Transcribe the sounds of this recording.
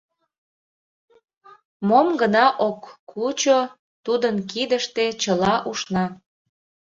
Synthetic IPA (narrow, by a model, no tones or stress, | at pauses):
momɡənɑʔokʰːut͡ɕo | t̪ud̪ənk̬id̪əʃt̪et͡ɕəlɑʔuʃnɑ